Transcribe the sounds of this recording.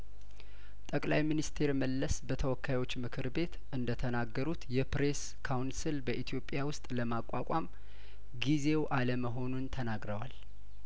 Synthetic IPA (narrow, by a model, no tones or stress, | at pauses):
t̪ʼəkʼlajminist̪ʰe̞ɾməlːəsbət̪ʰəwɔkʰːajwot͡ʃːmɨkʰɨɾbe̞t̪ʔɨnd̪ət̪ʰənaɡːəɾut̪jɛpɾe̞s | kʰawnsilbəʔit̪ʰijo̞pʼːjawʊst̪ʼləmakʷʼːakʼam | ɡize̞wʔaləməɦo̞nunt̪ʰənaɡɾəwal